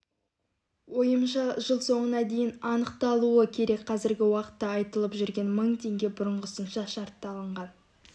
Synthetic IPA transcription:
wo̞jəmʃɑʒəlˠso̞ɴənɑd̪e̞jɪnɑnəqt̪ɑlˠuəkʲʰe̞ɾe̞kʲqʰɑzɪɾɡʲɪwɑqə̥t̪ːɑːjt̪əlˠəpʒʏɾɡʲe̞nməɴt̪ʰe̞ŋɡʲe̞bʊɾəɴʁəsənʃɑʃɑɾt̪ːɑlˠəɴʁɑn

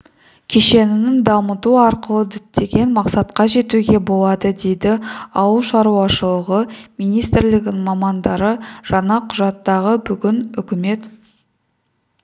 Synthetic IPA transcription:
kʲʰeʃe̞nɪnɪŋd̪ɑmət̪uɑɾqəlˠəd̪ɪt̪ːe̞ɡʲe̞nmɑqsɑt̪qɑʒe̞t̪uɡʲe̞bo̞lˠɑd̪əd̪e̞jd̪ɪɑwəlˠʃɑɾuɑʃəlˠəʁəmijnijst̪ɪɾlɪɡ̪ʲɪmɑmɑnd̪ɑɾəʒ̥ɑɴɑqʰʊʒɑt̪ːɑʁəbʏɡʲɪnʏkʲɪme̞t̪

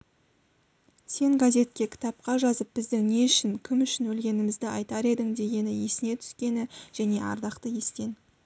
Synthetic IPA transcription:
se̞ŋɡazʲe̞t̪̚kʲe̞kʲʰɪ̥t̪ɑp̚qɑʒɑzəp̚b̥ɪzd̪ɪŋne̞ʏʃɪŋkʲʰɪmʏʃɪnwɵlɡʲe̞nɪmɪzd̪ɪɑjt̪ɑɾe̞d̪ɪŋd̪e̞ɡʲe̞nɪje̞sɪne̞t̪ʰʏ̥skʲe̞nɪʒ̥æne̞ʔɑ̰ɾd̪ɑqt̪əje̞st̪e̞n

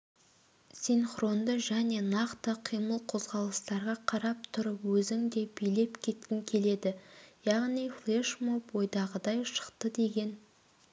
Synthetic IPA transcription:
sinχɾo̞nd̪əʒæne̞nɑqt̪əqʰijməlˠqʰo̞zʁɑlˠəst̪ɑɾʁɑqʰɑɾɑp̚t̪ʰʊɾəpwɵzɪŋd̪e̞b̥ijle̞pkʲʰe̞t̪̚kʲɪŋkʲʰe̞le̞d̪ɪjɑʁnijflˠeʃmopwo̞jd̪ɑʁəd̪ɑjʃə̥qt̪əd̪e̞ɡʲe̞n

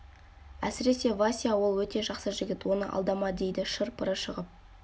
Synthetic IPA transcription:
æ̰sɪɾe̞se̞vasʲijawo̞lˠwɵt̪e̞ʒɑqsəʒɪɡʲɪt̪wo̞nəʔɑ̰lˠd̪ɑmɑd̪e̞jd̪ɪʃəɾpəɾəʃəʁəp̚

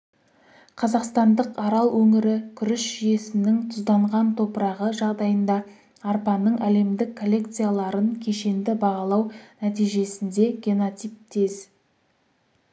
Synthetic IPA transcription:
qʰɑzɑqst̪ɑnd̪əqɑɾɑlˠwɵŋɪɾɪkʲʰʏɾɪʃʒ̥ʏje̞sɪnɪŋt̪ʰʊzd̪ɑɴʁɑnt̪ʰo̞pəɾɑʁəʒɑʁd̪ɑjənd̪ɑː | rpɑnːəɴæle̞md̪ɪkʰːo̞lʲːe̞k̚t̪sɨjalˠɑɾənkʲʰe̞ʃe̞nd̪ɪbɑʁɑlˠɑwnæt̪ijʒe̞sɪnd̪e̞ɡʲeno̞t̪ijp̚t̪ʰez

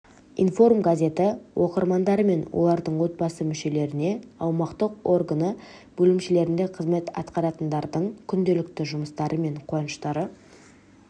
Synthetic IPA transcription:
ḭnfo̞rmɡazʲe̞t̪ɪwʔo̞qəɾmɑnd̪ɑɾəme̞nwʔo̞̰lˠɑɾd̪əɴwo̞t̪̚bɑsəmʏʃe̞le̞ɾɪne̞ɑwmɑqt̪əqo̞rɡanə | b̥ɵlɪmʃle̞ɾɪnd̪e̞qʰəzme̞t̪ɑ̰t̪qɑɾɑt̪ənd̪ɑɾd̪əɴkʲʰʏnd̪e̞lɪkt̪ɪʒʊməst̪ɑɾʔəme̞ɴqʰonəʃt̪ɑɾə

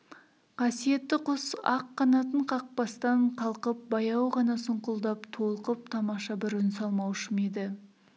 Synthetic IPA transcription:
qʰɑsije̞t̪ːɪqʰʊsɑqːɑnɑt̪əɴqʰɑq̚pɑst̪ɑɴqʰɑlˠqəp̚bɑjɑwʁɑnɑsʊɴqʊlˠd̪ɑpt̪ʰo̞lˠəqəp̚t̪ʰɑmɑʃɑbɪɾʏnsɑlˠmɑwʃəmed̪ɪ

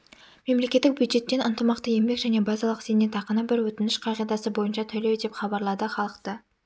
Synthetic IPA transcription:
me̞mle̞kʲet̪ːɪk̚bʲjud̪ʒe̞t̪ːe̞nənt̪əmɑqt̪əje̞mbe̞kʒæne̞bɑzɑlˠəqsenet̪ʰɑqənəbɪɾwɵt̪ɪnɪʃqʰɑʁijd̪ɑsəbo̞jənʃɑt̪ʰɵled̪e̞pχɑbɑɾlˠɑd̪əχɑlˠəqt̪ə

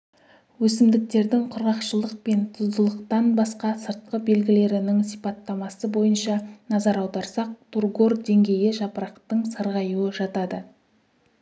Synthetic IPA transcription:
wɵsɪmd̪ɪk̚t̪e̞ɾd̪ɪŋqʰʊɾʁɑqʃəlˠəq̚pe̞nt̪ʰʊzd̪əlˠəqt̪ɑnbɑsqɑsəɾt̪̚qəbe̞lɡʲɪle̞ɾɪnɪŋsijpɑt̪ːɑmɑsəbo̞jənʃɑnɑzɑɾɑwd̪ɑɾsɑq̚t̪ʰurɡo̞rd̪e̞ŋɡʲe̞jɪʒɑpəɾɑqt̪əɴsɑɾʁɑjuwəʒɑt̪ɑd̪ə

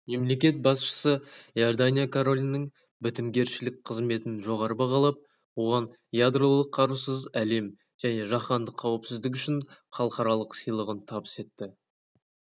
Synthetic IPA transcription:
me̞mle̞kʲe̞t̪̚bɑsʃə̥səjord̪anʲijakʰoɾo̞lʲnːəŋ | bɪt̪ɪmɡʲe̞ɾʃɪlɪk̚ʲqʰəzme̞t̪ɪnʒo̞ʁɑɾəbɑʁɑlˠɑp̚ | wo̞ʁɑn | jad̪rolˠəqʰːɑɾusəzæle̞m | ʒ̥æne̞ʒɑχɑnd̪əqʰːɑwəpsɪzd̪ɪk̬ʲʏʃɪnχɑlˠəqɑɾɑlˠəqsijlˠəʁənt̪ʰɑbəse̞t̪ːɪ

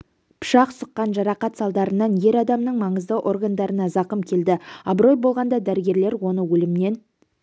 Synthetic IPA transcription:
pʰʊ̥ʃɑqsəqːɑnʒɑɾɑqɑt̪sɑlˠd̪ɑɾənɑnje̞ɾɑd̪ɑmnəɴmɑɴəzd̪əʔo̞rɡand̪ɑɾənɑzɑqəmkʲʰe̞ld̪ɪɑbɾo̞jbo̞lˠʁɑnd̪ɑd̪æɾɪɡʲe̞ɾle̞ɾwo̞nəwɵlɪmne̞n

